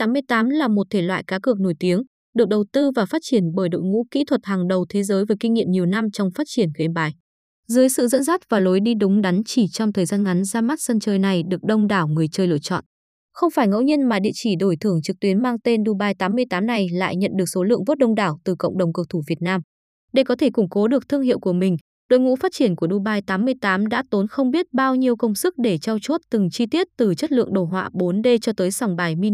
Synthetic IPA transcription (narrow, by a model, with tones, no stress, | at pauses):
t̪aː˨˦mːɨ˧əjt̪aː˨˦mlaː˨˩mo˨˩t̚t̪ʰe˧˩lwa̰ː˧˨jkaː˨˦kɨ˨˩ək̚no˧˩jt̪i˨˦əŋ | ɗɨ˨˩ək̚ɗə˨˩wt̪ɨ˧vaː˨˩faː˦˥t̚t͡ɕi˧˩ənɓəː˧˩jɗo̰˧˨jŋṵ˧˥kḭ˧˥t̪ʰwə˨˩t̚haː˨˩ŋɗə˨˩wt̪ʰe˨˦zəː˨˦jvəː˨˦jkï˧ŋ̟ŋḭ˧˨əmɲi˨˩əwna˧mt͡ɕɔ˧wŋ͡mfaː˦˥t̚t͡ɕi˧˩ənki˨˦nɓaː˨˩j | zəː˨˦jsɨ̰˧˨zə̰˧˥nsaː˦˥t̚vaː˨˩lo˨˦jɗi˧ɗʊ˨˦ŋ͡mɗa˨˦nt͡ɕi˧˩t͡ɕɔ˧wŋ͡mt̪ʰəː˨˩jzaː˧nŋa˨˦nzaː˧ma˦˥t̚sə˧nt͡ɕəː˧jna˨˩jɗɨ˨˩ək̚ɗə˧wŋ͡mɗaː˧˩wŋɨ˨˩əjt͡ɕəː˧jlɨ̰˧ət͡ɕɔ̰˧˨n | xə˧wŋ͡mfaː˧˩jŋə̰˧˥wɲi˧ənmaː˨˩ɗḭ˧ət͡ɕi˧˩ɗo˧˩jt̪ʰɨ˧˩əŋt͡ɕɨ˨˩k̚t̪wi˨˦ənmaː˧ŋt̪e˧nɗu˧ɓaː˧jt̪aː˨˦mːɨ˧əjt̪aː˨˦mna˨˩jla̰ː˧˨jɲə̰˧˨nɗɨ˨˩ək̚so˨˦lɨ̰˧˨əŋvo˦˥t̚ɗə˧wŋ͡mɗaː˧˩wt̪ɨ˨˩kə̰˧˨wŋ͡mɗə˨˩wŋ͡mkɨ˧˩w̚t̪ʰu˧˩vi˨˩ət̚naː˧m | ɗe˧˨˩kɔ˨˦t̪ʰe˧˩kʊ˧˩ŋ͡mko˨˦ɗɨ˨˩ək̚t̪ʰɨ˧əŋhḭ˧˨əwku˧˩mï˨˩ŋ̟ | ɗo̰˧˨jŋṵ˧˥faː˦˥t̚t͡ɕi˧˩ənku˧˩əɗu˧ɓaː˧jt̪aː˨˦mːɨ˧əjt̪aː˨˦mɗa̰ː˧˥t̪o˨˦nxə˧wŋ͡mɓi˦˥ət̚ɓaː˧wɲi˧əwkə˧wŋ͡msɨ˦˥k̚ɗe˧˩t͡ɕɔ˧wt͡ɕu˦˥t̚t̪ɨ˨˩ŋt͡ɕi˧t̪i˦˥ət̚t̪ɨ˨˩t͡ɕə˦˥t̚lɨ̰˧˨əŋɗo˧˩ɦwa̰ː˧˨ɓo˨˦nɗe˧t͡ɕɔ˧t̪əː˨˦jsa˧˩wŋ͡mɓaː˨˩jmi˧